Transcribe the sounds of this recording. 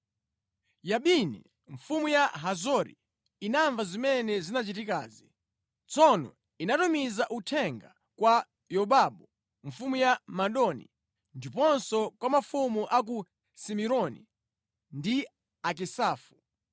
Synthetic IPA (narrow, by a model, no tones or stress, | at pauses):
jaɓinḭ | ɱ̩fumujaɦazɔɾḭ | inaɱvazimɛnɛzinat͡ʃitika̰ːzi | t͡sɔnɔ̰ | inatumizaʔutʰɛŋɡa | kwa | jɔɓaɓɔ | ɱfumujamaɗɔnḭ | ndipɔnsɔkwamafumuʔak̬u | simiɾɔnḭ | ndi | ak̬isaːfu